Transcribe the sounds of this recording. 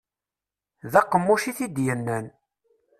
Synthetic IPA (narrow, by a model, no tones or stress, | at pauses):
ðæqːəmːuʃiθid̪jənːən